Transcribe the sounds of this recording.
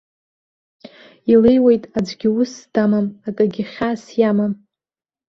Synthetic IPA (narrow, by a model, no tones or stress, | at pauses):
ilejwejtʼad͡ʒʷɡʲɪʊsd̥amamakʼaɡʲɪχʲasjamam